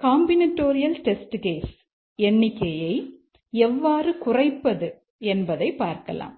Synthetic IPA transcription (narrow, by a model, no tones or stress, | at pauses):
kaːmbɪnɐʈːoːɾɪjɐlʈɛsʈɡeːs | ɛnːɪkːɐjɐɪ | ɛʋːaːrɯkʊrɐɪpːɐðɯ | ɛnbɐðɐɪpːaːɾkɐ̰la̰ːm